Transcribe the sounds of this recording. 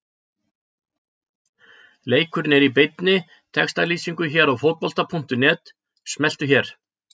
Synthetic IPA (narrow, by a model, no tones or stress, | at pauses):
leːjkʰʏɾɪnɛɾip̬ɪjt̪nɪ | t̪ʰɛkst̪aliːsiŋkʏçɛːɾawfowt̪̚pɔl̥t̪apʰuŋ̥t̪ʏnɛːt̪ | smɛl̥t̪ʏçɛɾ̥